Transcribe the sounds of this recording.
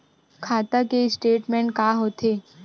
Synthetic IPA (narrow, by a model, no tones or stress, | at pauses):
kʰaːt̪akesʈeːʈmɛ̃ːɳʈkaːɦoːt̪eː